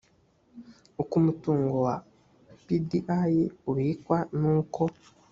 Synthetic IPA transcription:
ukumutuːŋɡowa | pidiʔajiuβikwanuːko

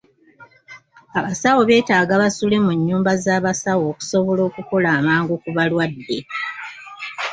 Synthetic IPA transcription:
aβasawo̞βe̞ːtaːɡaβasule̞muɲːuːmbazaːβasawo̞ːku̥so̞βo̞lo̞ːkuko̞laːmaːŋɡokuβalwadːe̞

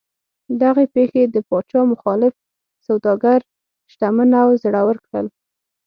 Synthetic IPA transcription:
d̪aɣepexed̪əpɑt͡ʃɑmʊxɑlɪf | sawd̪ɑɡaɾ | ʃʈ̪amənawzɽawəɾkɽə̰l

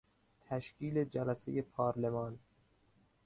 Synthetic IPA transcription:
t̪ʰæʃcʰiːled͡ʒælæsḛje̞pʰɒːɾlemɒːn

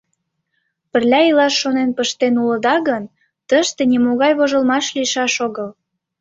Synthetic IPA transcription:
pə̆rlʲæilɑʃːonenpəʃt̪enuləd̪ɑɣən | t̪əʃt̪enimoɣɑjβoʒəlmɑʃliʃɑʃoɣəl

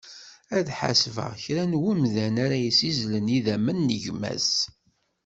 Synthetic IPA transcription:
æðħa̰svə̰ʁçɾænwumðænaɾæjisizləniðæmənːəʝmæ̰s

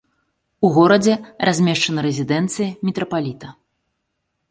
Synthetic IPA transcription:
uɣɔɾɐd͡zʲɛrʔazʲmʲɛʂt͡ʂɐnɐɾɛzʲid̪ɛnt̪sɨjɐmʲɛt̪ɾɐpalʲit̪ɐ

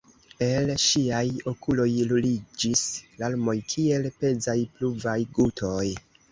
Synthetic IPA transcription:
e̞lʃiajo̞kulo̞jlulid͡ʒislalmo̞jkʰie̞lpe̞d͡zajpluvajɡutʰo̞j

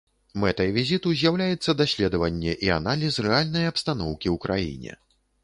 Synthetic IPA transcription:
mɛt̪ɐjvʲizʲit̪uzʲjawlʲajɛt̪sːɐd̪asʲlʲɛd̪ɐvɐnʲːɛʔia̰nalʲisrɛalʲnɐjɐpst̪anɔwkʲiwkɾʔa̰jḭnʲɛ̰

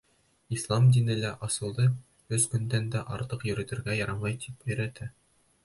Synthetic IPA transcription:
islˠɑmd̪inɘ̆læʔɑsɤ̆lˠd̪ɤ | ɵzkɵ̆nd̪ænd̪æʔɑɾt̪ɤqjɵ̆ɾɘ̆t̪ɘ̆ɾɡæjɑɾɑmɑjt̪ʰipɵ̆jɾæt̪æ

